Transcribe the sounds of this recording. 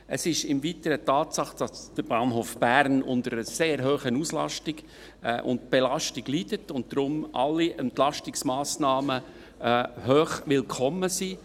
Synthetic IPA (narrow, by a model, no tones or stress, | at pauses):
əsɪʃɪmvitəɾətɑːtsɑχd̥ɑsd̥əɾb̥ɑːnɦoːfb̥æɾnʊ̰ndəɾəseːɾɦøːχənuslɑ̰ʃtɪɡ̥ | ʔʊ̰nt̚b̥ɛlɑʃtiɡlidətʊnt̚d̥ɾʊmʔɑ̰lːiʔɛntlɑʃtɪksmɑːsnɑːmə | høːχʋɪlkʰɔmːəsi